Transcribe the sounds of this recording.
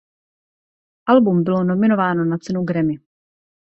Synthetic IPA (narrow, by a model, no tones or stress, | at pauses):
ʔalbumbɪlo̞no̞mɪno̞vaːno̞nat͡sɛnuɡɾɛmɪ